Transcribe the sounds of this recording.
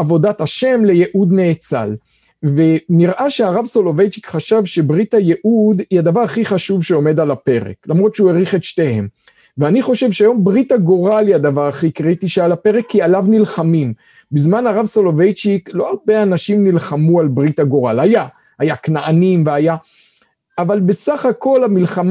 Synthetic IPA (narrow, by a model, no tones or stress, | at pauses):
avo̞d̪at̪aʃe̞mle̞jeʔud̪ne̞ːt͡sa̰l | ve̞niʁʔaʃeaʁavsolovejt͡ʃikχaʃavʃe̞bʁit̪ajeʔud̪iad̪avaʁaχiχaʃuvʃeo̞me̞d̪alape̞ʁḛklamʁo̞t̪ʃeueʁiχet̪ʃte̞he̞m | veaniχo̞ʃe̞vʃeajo̞mbʁit̪aɡo̞ʁaliad̪avaʁaχikʁit̪iʃealape̞ʁekːialavnilχamim | bizmanaʁavsolovejt͡ʃiklo̞albejanaʃimnilχamualbʁit̪aɡo̞ʁalhaja | hajaknaʔanimveajaː | valbe̞saχako̞lamilχam